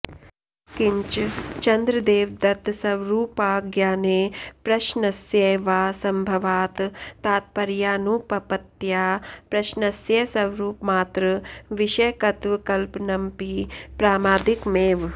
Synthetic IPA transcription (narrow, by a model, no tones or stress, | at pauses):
kɪɲt͡ʃt͡ʃɐnd̪ɾəd̪eːʋd̪ɐt̪sɐʋɾuːpaːɡjaːneːpɾɐʃnɐsjeːʋaːsɐmbʱɐʋaːt̪t̪aːt̪̚pɐɾjaːnuːpɐpɐt̪jaːpɾɐʃnɐsjɐsɐʋɾuːpmaːt̪ɾɐʋiʃɐjkɐt̪ʋkɐlpnɐmpiːpɾaːmaːd̪ikmeːʋ